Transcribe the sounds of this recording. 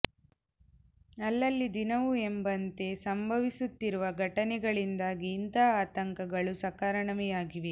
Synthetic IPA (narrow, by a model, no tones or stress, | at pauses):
ɐlːɐlːid̪inɐʋuembɐnt̪e̞sɐmbʱɐʋisut̪ːiɾuʋɐɡʱɐʈɐnɛɡɐɭind̪aːɡiːnd̪ɐaːt̪ɐŋkɐɡɐɭusɐkaːɾɐɳɐmɛjaːɡiʋe